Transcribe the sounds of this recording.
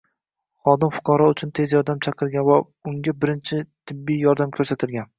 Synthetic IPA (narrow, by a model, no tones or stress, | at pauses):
χɒd̪ɪmfʊ̥qʰɑɾɒʊt͡ʃʰʊnt̪ʰe̞zjɒɾd̪amt͡ʃʰɑqʰɨlɡʲanva | ʊŋɡʲabɪɾɪnt͡ʃʰɪt̪ʰɪbːijjɒɾd̪amkʲʰɵɾsat̪ʰɪlɡʲan